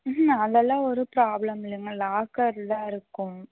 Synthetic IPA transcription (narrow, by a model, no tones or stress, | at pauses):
ɐðɛlːãːɔɾɯpɾaːblɐmɪlːɯŋɡɐlaːkɐɾlãːɪɾɯkːʊ̃